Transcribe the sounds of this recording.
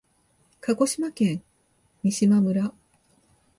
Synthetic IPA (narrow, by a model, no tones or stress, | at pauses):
kaɡo̞ɕimakẽ̞ŋ | ɲʲiɕimamɯ̟ɾa